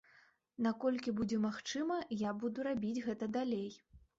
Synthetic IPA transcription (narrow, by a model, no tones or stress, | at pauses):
nakɔlʲkʲibud͡zʲɛmaxt͡ʂɨmɐjabud̪uɾabʲid͡zʲɣɛt̪ɐd̪alʲej